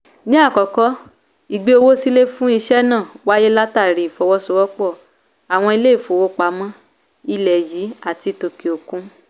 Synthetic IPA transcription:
nĩ˦a˦˨kɔ˨kɔ˦ | i˨ɡ͡be˧˦o˧wo˦si˦le˦fũ˦i˧ʃɛ˦nãː˦˨wa˦je˦la˦ta˦˨ɾi˨fɔ˧wɔ˦so˧˦wɔ˦k͡pɔ˦˨ | a˨w̃ɔ̃˧i˧le˦i˦˨fo˨wo˦k͡pa˨˦mɔ̃˦ | i˧lɛ˨jiː˨˦a˦˨ti˧to˨ke˨o˨kũ˦

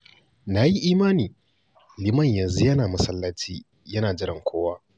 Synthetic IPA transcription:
naː˨ji˦ʔiː˦maː˦niː˨ | lɪ˦mɐ˦˨ɲjɐ˨nzu˦jɐ˦naː˨mɐ˦sɐ˦lːɐ˦t͡ʃiː˦ | jɐ˦naː˨d͡ʒɪ˦ɾɪ˨ŋkʷʰoː˦waː˦

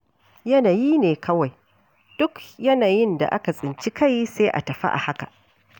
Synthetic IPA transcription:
jɐ˦naː˨jiː˦neː˨kʰɐ˦wa˨j | d̥ʊ˦kjɐ˦naː˨jɪ˦nda̰˨ʔa˦ka˨sʼɪ˨nt͡ʃi˦kʰa˦˨jseː˦ʔa̰˨tɐ˨ɸa̰˦ʔa̰˨ha˦ka̰˨ʔ

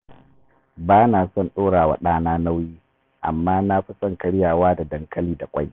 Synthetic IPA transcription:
baː˦naː˨sɔ˦nɗoː˦ɽaː˨wa̰˨ɗaː˦naː˦na˦wjiː˦ | ʔa̰˨mːaː˦na˦ɸi˦sʼɔ˦˨ŋkɐ˨ɽɪ˦jaː˨waː˦da˨dɐ˨ŋkʰɐ˦liː˦da˨kʷʼa˦j

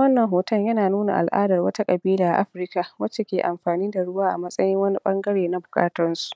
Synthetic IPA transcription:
wɐ˦nːɐ˨ŋɦoː˨tɐ˦˨ɲjɐ˦naː˨nuː˦na̰˨ʔa̰˨lʔa̰ː˦dɐ˨rwɐ˦ta˦kʼɐ˨biː˦laː˨ʔa̰˨ʔa̰˦ɸɾɪ˦ka˨wɐ˦t͡ʃːe˨kʲeː˨ʔa˨mɸaː˨niː˦da˨ɽʊ˦waː˦ʔa̰˨mɐ˦sʼɐ˦jɪ˦ŋwɐ˦ni˦ɓɐ˦ŋɡɐ˦ɽeː˨na˦bʊ˨kʼa̰ː˦tɐ˦nsu̥˨ʔ

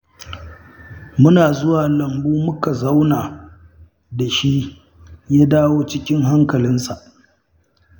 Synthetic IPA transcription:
mʊ˦naː˨zʊ˦waː˨lɐ˨mbuː˦mʊ˦ka˨za˦wnaː˨ | da˨ʃi˦ | jaː˦daː˦woː˦t͡ʃɪ˦kʲɪ˦ŋɦa˦ŋkɐ˨lɪ˦nsa˨ʔ

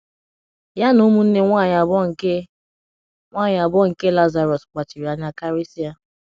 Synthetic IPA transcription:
ja˦no˦mu˦n̩˦ne˦ŋʷa˦˨a˨bɔ˦ŋ̩˨ke˦ | ŋʷa˦˨ɲa˨bɔ˦ŋ̩˨ke˦la˦za˨ɾɔ˨sk͡pa˨t͡ʃi˨ɾi˨a˦ɲa˦ka˦ɾi˦si˦a˦

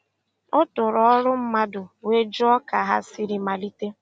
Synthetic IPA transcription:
ʊ˦tʊ˨ɾɔ˦ɾʊ˦m̩˦ma˦dʊ˨we˦d͡ʒʊ˦ɔ˦ka˨ɦa̰˦si˦ɾi˦ma˨li˦te˦

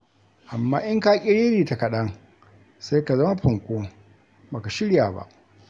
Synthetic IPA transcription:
ʔa˨mːaː˦ʔɪ˦ŋkaː˦kʲʼɪ˦ɽeː˦ɾiː˨ta˨kɐ˨ɗɐ˦ŋ | sa˦jka˨zɐ˦ma˦ɸʊ˨ŋkʷoː˦ | ba˨ka˨ʃɪ˦ɽjaː˨ba̰˦˨ʔ

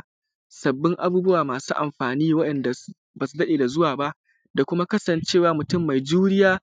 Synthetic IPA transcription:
sɐ˨bːɪ˦ŋʔa̰˨buː˦bʊ˦waː˨maː˨suː˦ʔa̰˨mɸaː˨niː˦wɐ˦ɗɐ˨nda˨ | baː˨su˦dɐ˦ɗeː˨da˨zʊ˦waː˨ba˦ʔ | da˨kʷʊ˦ma˦kɐ˦sɐ˨nt͡ʃeː˦˨waː˨mʊ˨tʊ˦mːa˨jd͡ʒuː˦ɽɪ˦jaː˦

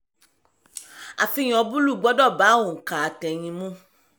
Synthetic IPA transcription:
a̰˨fi˧j̃ɔ˧bu˦lu˦˨ɡ͡bɔ˨˦dɔ˦˨ba˨˦õ˨ka˨a˨tɛ˨j̃ĩ˧mũ˦

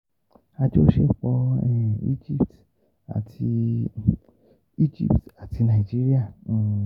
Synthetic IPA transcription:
a˧d͡ʒo˦ʃe˦˨k͡pɔ˧˦ɛ˦˨ḭ˦d͡ʒi˦˨p̚t | a̰˨tʰi˧ | i˦d͡ʒḭ˦˨pta˨tʰi˨˦nã˧˨i˨d͡ʒi˦ɾi˦ã˦˨˦

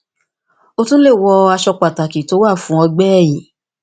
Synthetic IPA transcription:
o˧tũ˦le˦˨wɔ˧a˧ʃɔ˧k͡pa˨ta˨ki˨˦to˨˦wa˦˨fũ˨˦ɔ˧ɡ͡bɛ˦ɛ˦˨ji˨˦

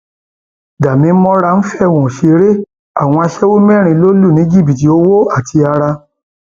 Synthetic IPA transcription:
da˨mĩ˨˧˦mɔ̃˦ɾa˧n̩˦fɛ˦˨wɔ̃˨ʃe˧ɾe˦ | a˦˨w̃ɔ̃˧a˧ʃɛ˦wo˦mɛ̃˦˨ɾ̃ĩ˧˦lo˦lu˦˨nĩ˨˦d͡ʒi˦˨bi˨ti˧˦o˦wo˦a˦˨tʰi˧a˧ɾa˧

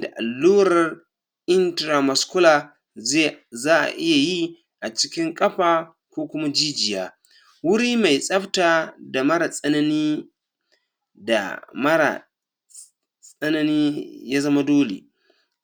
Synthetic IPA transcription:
da˨ʔa˨lːuː˦ɾɐ˨r | ʔɪ˦ntɾa˨mɐ˨skʊ˦laː˨ | zaː˦ʔa̰˨ʔɪ˦ja˨ji˦ | ʔa˨t͡ʃɪ˦kʲɪ˦ŋkʼɐ˦ɸaː˨ | kʷoː˦kʷʊ˦ma˦d͡ʒiː˦d͡ʒɪ˨jaː˦ | wʊ˦ɽiː˦ma˨jsʼɐ˦ɸtaː˨da˨mɐ˦ɾa˨sʼɐ˦nɐ˦niː˦ | da̰˨mɐ˦ɾa̰˨ | sʼɐ˦nɐ˦niː˦ja˦zɐ˦ma˦doː˦lḛ˨

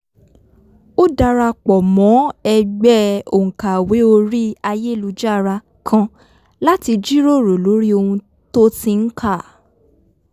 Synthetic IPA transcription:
o˦da˧ɾa˧k͡pɔ˨mɔ̃˨˦ɛ˧ɡ͡bɛ˦o˨ŋ̩˨ka˨we˨˦o˧ɾi˦a˧je˦˨lu˧˦d͡ʒa˦˧ɾa˧ | kʰã˧ | la˦ti˧d͡ʒi˦ɾo˦˨ɾo˨lo˨˦ɾi˦o˧hũ˧ | to˦tĩ˧n̩˦kʰa˦˨

